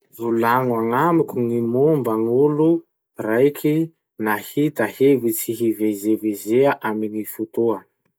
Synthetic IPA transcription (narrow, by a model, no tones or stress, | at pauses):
vulaŋwaŋamikuŋimombaŋulu | rajkʰʲi | nahit̪əhevit͡siɦivezevezeaʔaminifut̪uə